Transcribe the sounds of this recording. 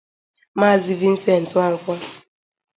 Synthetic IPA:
ma˦˨zi˦vi˦n̩˦se˦˨n̩˨twa˦ŋ̩˨kʷɔ˦

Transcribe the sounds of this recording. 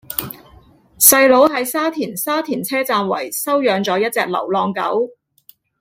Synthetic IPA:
sɐ˧jlo˨˥wɦɐ˨˥jsaː˥t̪ʰiː˨˩nsaː˥t̪ʰiː˨˩nt͡sʰɛː˥t͡saː˧nwɐ̰˨˩jsɐ˥wjœː˨˧ŋt͡sɔː˨˥jɐ˥t̚t͡sɛː˧k̚lɐ̰˨˩wlɔː˧ŋkɐ̰˨˥w

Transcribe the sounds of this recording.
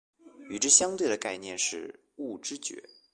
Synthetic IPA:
y˨˩ʈ͡ʂ̩˥˩ɕjɑ˥ŋt̪we˥˩ɪd̪ə˩ka˥˧ɪnjɛ˥˧nʂɻ̩˥˧ | u˥˩ʈ͡ʂɻ̩˥t͡ɕɥɛ̰˧˥

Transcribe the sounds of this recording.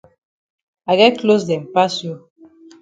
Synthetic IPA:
a˨ɡɛ˦t̚klo˦sdɛ˨m˨pa˦sjo˦

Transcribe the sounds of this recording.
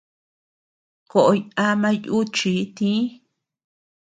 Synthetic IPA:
ko˨ʔo˧ɲã˧mã˦˧ju˦t͡ʃi˨˦t̪ĩ˦

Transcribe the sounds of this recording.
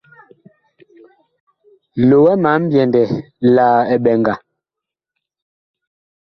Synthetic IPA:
lo˨wɛ˦ma˨˦m̩˦bjɛ˨ndɛ˨ | laː˨ɛ˨ɓɛ˨ŋɡa˨

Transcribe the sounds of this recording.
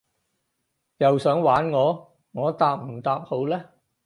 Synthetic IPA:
jɐ˨wsœː˨˥ŋwaː˨˥nŋɔː˨˧ | ŋɔː˨˧˥t̪aː˧p̚m̩˨˩t̪aː˧p̚ho˨˧˥wlɛː˥

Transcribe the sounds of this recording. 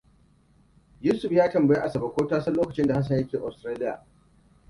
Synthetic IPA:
juː˦sʊ˨ɸjaː˦tɐ˨mbɐ˨je˦ʔa˨sɐ˨bɐ˦˨kʷoː˦taː˦sɐ˦nloː˦kɐ˨t͡ʃɪ˦nda˨ha˦s̬ɐ˨ɲjɐ˦kʲeː˨ʔa˨stɾaː˦lɪ˦ja̰ː˨

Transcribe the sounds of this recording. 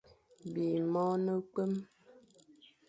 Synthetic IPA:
bi˨mɔ˦nə˦ke˦m

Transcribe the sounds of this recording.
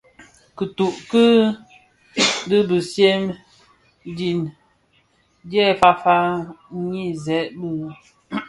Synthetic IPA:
kə˨tu˨ʔkɨ˦ | dɨ˦bə˨sje˦m | di˨n | dɛ˦fa˦fa˦ɲi˦zɛ˨˦ʔbə˦

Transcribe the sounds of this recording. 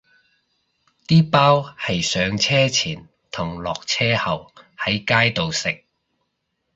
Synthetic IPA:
t̪iː˥paː˥whɐ˨jsœː˨˧ŋt͡sʰɛː˥t͡sʰiː˨˩n | t̪ʰʊ˨˩ŋlɔː˨k̚t͡sʰɛː˥hɐ˨whɐ˨˥jkaː˥jt̪o˨wsɪ˨k̚

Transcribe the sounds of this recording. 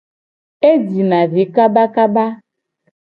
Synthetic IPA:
e˦d͡ʒi˨nã˨vi˨˦ka˦ba˦ka˦ba˦

